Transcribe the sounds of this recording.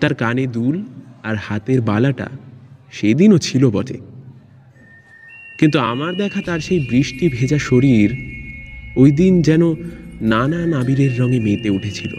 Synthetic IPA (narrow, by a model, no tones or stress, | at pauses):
t̪aɾkaned̪ulaɾhat̪eɾbalaʈa̰ʃejd̪inot͡ɕʰilobɔd͡ʑḛ | kint̪ua̰maɾd̪ɛkʰat̪aɾʃejbɾiʃʈibʱed͡ʑaʃoɾiɾ | ojd̪ind͡ʑɛnonananabiɾeɾːɔŋemet̪euʈʰet͡ɕʰilo̰